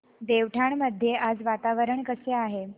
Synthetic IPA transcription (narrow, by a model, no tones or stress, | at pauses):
d̪eʋʈʰaɳməd̪ʱjeʔad͡zʋat̪aʋəɾəɳkəseaɦe